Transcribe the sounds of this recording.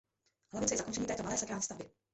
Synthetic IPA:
hlavɪtt͡sɛjɛzakont͡ʃɛɲiːt̪ɛːt̪omalɛːsɛkɾaːlɲɛːst̪avbɪ

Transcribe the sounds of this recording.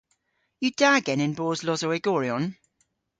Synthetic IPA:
jəd̥aɡɛnɪ̃nbɔːzlɔzowɛɡɔːɹiɔ̃n

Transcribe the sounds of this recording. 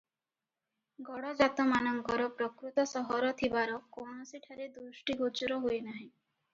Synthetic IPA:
ɡɔɽɔd͡ʒat̪ɔmanɔŋkɔɾɔpɾɔkɾut̪ɔsɔɦɔɾɔt̪ʰibaɾɔkownɔsiʈʰaɾed̪usʈiɡʱot͡ʃuɾɔɦojnaɦĩ

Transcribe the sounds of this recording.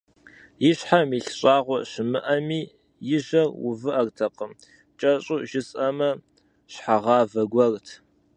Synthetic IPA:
jɪɕħamiːɬɕʼɑːʁʷɔɕɪmɨʔɐmiː | jɪʒɐrwʊ̰vɨʔɐrtʰɐqəm | t͡ʃʼɐɕʼuʒɪsʼɐmɐ | ɕħaʁɑːvɐɡʷɐrtʰ

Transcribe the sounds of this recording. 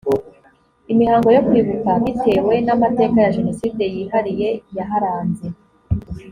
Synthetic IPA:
imihaːŋɡo̞jo̞kwiβukaβitʰe̞ːwe̞namate̞kajaʒeno̞siːde̞jiːhaɾije̞jaɦaɾaːnze̞

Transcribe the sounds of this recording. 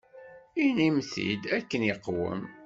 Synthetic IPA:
inimθḭd̪ækːənjəqːwə̰m

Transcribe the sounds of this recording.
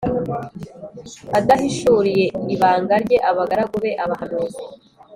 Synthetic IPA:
adahiʃuːɾije̞iβaːŋɡaɾɟe̞ʔaβaɡaɾaɡuβe̞ʔaβahanuːzi

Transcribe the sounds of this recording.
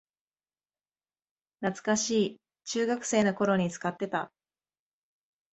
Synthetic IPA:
nat͡sɨ̥kaɕiː | t͡ɕɨːɡakɯ̟̥se̞ːno̞ko̞ɾo̞ɲ̟it͡sɨ̥kat̪ːe̞t̪a̰

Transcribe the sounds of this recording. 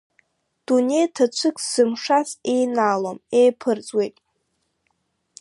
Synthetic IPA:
d̥une̞jtʰat͡ʃʷʰɨkʼz̥ɨmʂasejnaːlomejpʰɨrt͡sʼwe̞jtʼ

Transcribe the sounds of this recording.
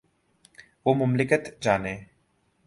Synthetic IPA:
ʋoːmʊmlɪkət̪d͡ʒaːneː

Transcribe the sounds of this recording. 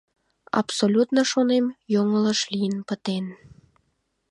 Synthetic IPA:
ɑ̰psolʲut̪noʃonemjoŋələʃlijənpə̆t̪en

